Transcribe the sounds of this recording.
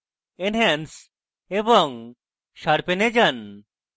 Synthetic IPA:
enɦens | ebɔŋ | ʃaɾpened͡ʒan

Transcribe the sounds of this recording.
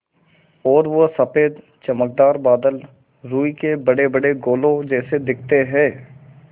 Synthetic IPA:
ɔːɾʋosɐpeːd̪ | t͡ʃɐmək̚d̪aːɾbaːd̪əl | ɾuːikebəɽebəɽeɡoːlõd͡ʒɛːsed̪ɪk̚ʰt̪eɦɛ̃ː

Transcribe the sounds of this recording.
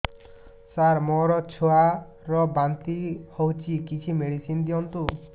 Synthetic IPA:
saɾmɔɾɔt͡ʃʰoa | ɾɔbant̪ihowt͡ʃʰikit͡ʃʰimeɽisind̪iɔnt̪u

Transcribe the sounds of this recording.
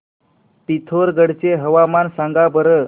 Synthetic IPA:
pit̪ʰoɾɡəɽt͡ɕeɦəʋamansãŋɡabəɾə

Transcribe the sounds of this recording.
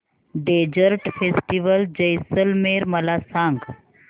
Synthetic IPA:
ɖed͡ʒəɾʈfʰesʈiʋəld͡ʑəjsəlmeɾməlasãŋɡ

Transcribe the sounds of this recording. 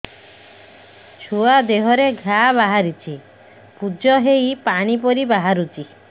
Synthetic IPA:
t͡ʃʰuad̪eɦɔɾeɡʱaβaɦaɾit͡ʃʰi | pud͡ʒɔɦejpaɽ̃ipɔɾibaɦaɾut͡ʃi

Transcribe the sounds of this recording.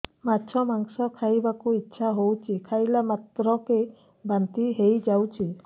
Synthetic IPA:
matːt͡ʃʰɔmaŋsɔkʰajbakuitːʃʰaɦowt͡ʃʰikʰajlamat̪ɾɔke | bant̪iɦejd͡ʒawt͡ʃʰi

